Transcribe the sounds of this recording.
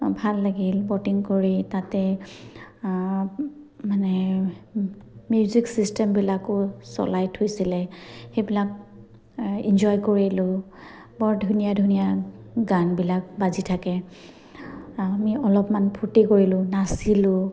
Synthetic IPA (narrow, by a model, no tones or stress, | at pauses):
bʱalːaɡilbɔtiŋkoɹitatɛ | manɛ | mjuziksistɛmbilakʊsɔ̰lajtʰhojsilɛxejbilak̚ | ind͡ʒɔjkoɹilʊ | bɔɹdʱunijadʱunijaɡanbilak̚bazitʰakɛ | amiɔlɔpmanpʰutikoɹilʊ̃nasilʊ